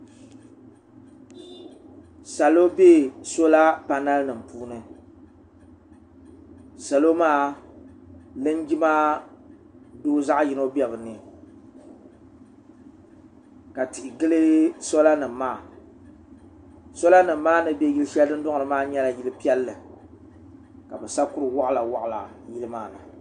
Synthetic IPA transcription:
sa˨lo˦be˦so˦la˦pa˨na˦lnɨ˨m˨puː˦nɨ˨ | sa˨lo˦maː˦ | lɨ˦n˦ɡi˦ma˦ | doː˦za˦ʔji˨no˦bi˦ɛ˨bɨ˨nɨ˨ | ka˨tɪ˨ʔɪ˨ɡɨ˦lɨ˦so˦la˦nɨ˨mː˨aː˦˨ | so˦la˦nɨ˨mː˦aː˦nɨ˨bɛ˦ji˦lɨ˦ʃɛ˦dɨ˦n˦dʊ˦ŋ˨ɾɨ˨maː˦ɲɛ˦la˨ji˦lɨ˦pi˦ɛ˦lːɨ˨ | ka˨bɨ˨sa˦kʊ˦ɾɨ˨wa˦ʔla˨wa˦ʔla̰˨ | ji˦lɨ˦maː˦˨nɨ˨

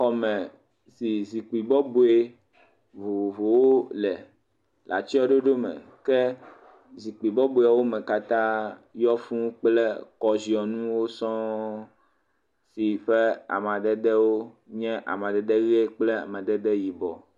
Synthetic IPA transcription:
xɔ˨mɛ̃˨ | si˨zi˨k͡pi˨bɔ˦bo˨e˦ | vo˨vo˨wo˦lɛ˨ | la̰˨t͡ʃi˦ɔ˦ɖo˦ɖo˦mɛ̰̃˨kɛ˦ | zi˨k͡pi˨bɔ˦bu˨a˨wo˦mɛ̃˨ka˦t̪ã˦jɔ˦fũ˦k͡plɛ˦kɔ˨zi˨ɔ˨nũ˦wo˦sɔ̃˦ | si˨ɸɛ˦a̰˨m˨a˨d̪ɛ˦d̪ɛ˦wo˦ | ɲɛ̃˦ʔa̰˨m˨ã˨d̪ɛ˨d̪ɛ˦ɣe˦k͡plɛ˦a̰˨mɛ̃˨d̪ɛ˦d̪ɛ˦ji˨bɔ˨

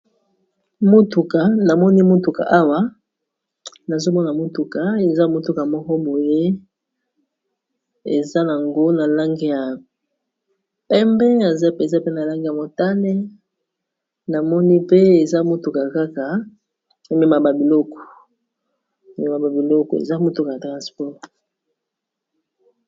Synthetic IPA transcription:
mo˦tu˨ka˨na˨mɔ˦ni˦mo˦tu˨ka̰˨ʔa˦wa˦ | na˨zo˦mɔ˦na˨mo˦tu˨ka˨e˨za˦mo˦tu˦ka˨mɔ˦kɔ˦bo˨je˦ | ḛ˨za˦na˨ŋɡo˦na˨la˦ŋɡe˦ja˨ | pɛ˦mbɛ˦a˨za˦pe˨za˦pe˦na˨la˦ŋɡe˨ja˨mo˨ta˦nɛ˦ | na˨mɔ˦ni˦pe˦e˨za˦mo˦tu˨ka˨ka˦ka˨ | e˨me˨ma˨ba˨bi˨lɔ˦kɔ̥˨ | me˨ma˨ba˨bi˨lɔ˦kɔ˨ḛ˨za˦mo˨tu˦ka˨ja˨tʁa˨spɔ˦ʁ

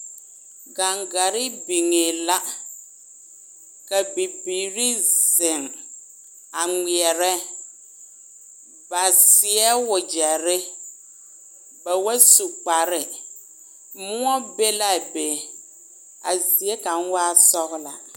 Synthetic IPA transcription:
ɡa˨ŋɡa˨ɾɪ˦bi˨ŋe˨la˦ | ka˨bi˨biː˨ɾi˦zɪ˨ŋ | a˨ŋi˨ɛ˨ɾɛ˦ | ba˨sɪ˨ɛ˦wʊ˨d͡ʒɛ˨ɾɪ˦ | ba˨wa˦su˨k͡pa˨ɾɪ˨ | mʊ˦ɔ˦be˦la˨be˨ | a̰˨zi˨ɛ˦ka˨ŋ˦waː˦sɔ˦ɣla̰˨

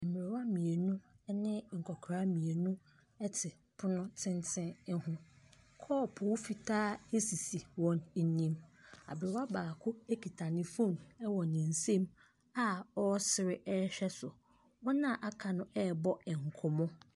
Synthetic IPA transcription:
m̩˨mɪ˨ɾɪ˨wa˦mĩ˨e˨nʊ̃˦nɪ̃˦ŋ̩˨kʰɔ˨kʰɾa˦mĩ˨e˨nũ˦ | ɛ˦tʰɪ˨ | pʰʊ˦nʊ̃˦tʰɪ̃˦ntʰɪ̃˦hʊ̃˦kʰɔ˦˨pʰɔ˨wʊ˦fi˨tʰaː˦e˦si˨si˨wɔ̃˦n˦nĩ˦ma̰˨bɪ˨ɾɪ˨wa˦baː˨kʰʊ˦e˦kʰi˨tʰa˨nɪ̃˨fũ˦˨mɛ˦wɔ˨nɪ̃˨n̩˨sẽ˦m | a˦ɔ˦sɪ˨ɾɪ˦ʔɛ˦ɕᶣɛ˦sʊ˨ | wɔ˦nã˦˨ʔa˨kʰa˨nʊ̃˦ʔɛ˦˨bɔ˦ɛ˨ŋ̩˨kʰʊ˨mɔ̃˦

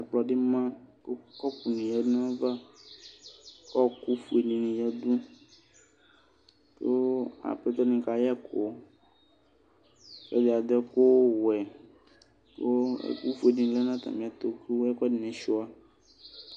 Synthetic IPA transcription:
ɛ˨k͡plɔ˨ɖi˦mã˦ko˦kɔ˦ku˨nũ˨jɛ˦nã˦va˦ | kɔ˦ku˦fu˨e˨nĩ˨nĩ˨jɛ˦d̪ũ˦ | t̪o˦a̰˨pɛ˦t̪ɔ˦nĩ˨ka˨jɛ˦ko˨ | fɛ˦dɛ˨a˨d̪ɛ˦ko˦wɛ˨ | to˦ḛ˦ku˦fu˦e˨nĩ˨˦lɛ˦nã˦t̪ã̰˨mĩ˨a˨t̪o˨kɾu˦ɛ˦kdi˨nɛ̃˨ʃɔ˦a˦

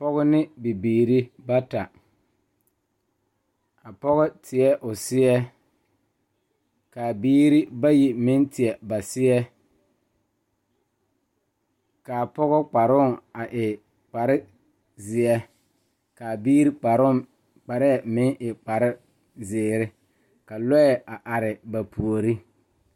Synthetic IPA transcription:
pɔ˦ɣʊ˦nɪ˦bi˨biː˨ɾi˦ba˦ta˨ | a˨pɔ˦ɣɔ˦tʰɪ˨ɛ˦ʔʊ˨sɪ˦ɛ˦ | ka˨biː˦ɾi˦ba˦ji˨mɪ˦ntɪ˨ɛ˨ba˨sɪ˦ɛ˦ | ka˨pɔ˦ɣɔ˦k͡pa˨ɾʊ˦˨ŋa˨ʔɪ˨ | k͡pa˨ɾɪ˦ | zɪ˨ɛ˦ | ka˨biː˦ɾi˦˨˦ | k͡pa˨ɾɪ˦ɛ˨mɪ˦ŋʔɪ˨k͡pa˨ɾɪ˦ | zɪː˨ɾɪ˦ | ka˨lɔ˦ɛ˨a˨ʔa˨ɾɪ˨ba˨pʰu˨o˨ɾi˦

